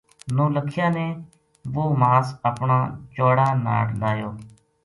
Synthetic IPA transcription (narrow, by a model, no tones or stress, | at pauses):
nõːləkʰjãːneː | ʋoːmaːsəpɳaːt͡ʃoːɽaːna̰ːʈɗaːjoː